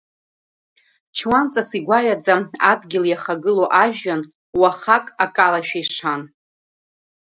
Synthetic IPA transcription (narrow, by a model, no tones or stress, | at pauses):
t͡ʃʰwant͡sʼasiɡʷaɥad͡zaadɡʲɪljaχaɡɨloʔaʒᶣːan | waχakʼakʼalaʃᶣaiʂʰan